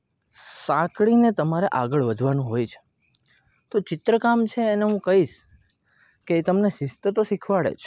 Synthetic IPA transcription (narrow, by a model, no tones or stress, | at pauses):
sãkɭinet̪əmaɾeʔaɡəɭʋəd̪ʱʋanũɦojt͡ʃʰe̥ | t̪ot͡ʃɪt̪ɾəkamt͡ʃʰeːneɦũkəɦiʃ | keːt̪əmneʃɪst̪ət̪oʃikʰʋaɭḛt͡ʃʰ